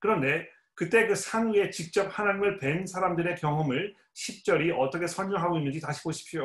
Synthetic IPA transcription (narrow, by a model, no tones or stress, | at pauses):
kɯɾʌnde̞ | kɯt͈e̞kɯsʰanue̞t͡ɕik̚t͡ɕ͈ʌp̚hanaɲimɯɭpwe̞nsʰaɾamdɯɾe̞kjʌŋɦʌmɯɭ | ɕʰip̚t͡ɕ͈ʌɾiʌt͈ʌkʰesʰʌnɲʌŋɦaɡoinːɯnd͡ʑitaɕʰi̥ɡoɕʰi̥pʰijo